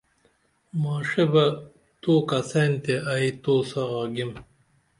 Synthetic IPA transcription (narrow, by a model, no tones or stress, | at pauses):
maːʂebɐ | t̪oːkɐsɐnt̪eait̪oːsɐʁaːɡim